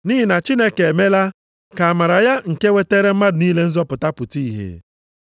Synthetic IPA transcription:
ni˦ɦi˨na˨t͡ʃi˦ne˦ke˨e˨me˦la˦ | ka˨a˨ma˨ɾa˨ja˦ŋ̩˨ke˦we˦te˦ɾe˦m̩˦ma˦dʊ˨niː˦le˦n̩˦zɔ˦pʊ˨ta˦pʊ˨ti˦i˨ɦḛ˨

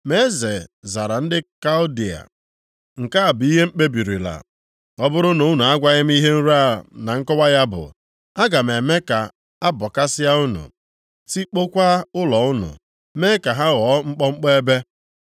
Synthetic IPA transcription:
me˦ze˨za˨ɾa˨n̩˦dɪ˦ka˦ʊ˦di˨a̰˨ | ŋ̩˨ka˦a˨bi˦ɦe˦ŋ͡m̩˦k͡pe˦bi˨ɾi˨la̰˨ | ɔ˦bʊ˦ɾʊ˦nu˨ʊ˦nu˨a˦ɡʷa˦ɣɪ˦m̩˦i˦ɦe˦n̩˦ɾa˦˨na˨ŋ̩˦kɔ˦wa˦ja˦bʊ̰˨ | a˦ɡa˨m̩e˨me˦ka˨ | a˦bɔ˨ka˦sɪ˦ja˦ʊ˦nṵ˨ | si˦k͡po˦kʷa˦ʊ˦lɔ˨ʊ˦nṵ˨ | meː˦ka˨ɦa˦ɣɔː˨˦ŋ͡m̩˦k͡pɔ˦ŋ͡m̩˦k͡pe˦e˦be˦

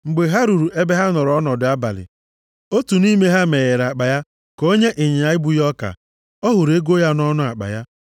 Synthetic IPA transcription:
ŋ͡m̩˨ɡ͡be˨ɦa˦ɾu˨ɾu˨ʔe˦be˦ɦa˦nɔ˨ɾɔ˦nɔ˨dʊ˨a˦ba̰˨lɪ̰˨ | o˦tu˨ni˦me˦ɦa˦me˨ɣe˨ɾa˨k͡pa˨ja˦ | ko˦ɲe˦ʔe˨ɲe˨a˦ɪ˦bu˦jɔ˦ka̰˨ | ɔ˦ɦʊ˨ɾe˦ɡo˦ja˦n˦ɔ˦nʊ˦a˨k͡pa̰˨ja˦

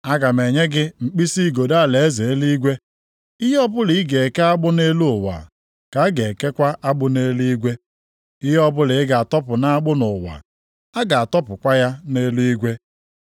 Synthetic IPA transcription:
a˦ɡa˨me˨ɲe˦ɡɪ˦ŋ͡m̩˨k͡pi˦si˦˨ɡo˨da˦˨le˨e˦ze˨e˦li˦ɡʷe˦ | i˦ɦɔ˦bʊ˦li˨˦ɡe˨ke˦a˦ɡ͡bʊ˦ne˦lu˦ʊ˨wa̰˨ | ka˨a˦ɡe˨ke˦kʷa˦ʔa˦ɡ͡bʊ˦ne˦lu˦i˦ɡʷe˦ | i˦ɦɔ˦bʊ˦lɪ˨ɪ˦ɡa˨a˨tɔ˦pʊ˨na˦a˦ɡ͡bʊ˦nʊ˨wa̰˨ | a˦ɡa˨a˨tɔ˦pʊ˨kʷa˦ja˦ne˦lu˦i˦ɡʷe˦

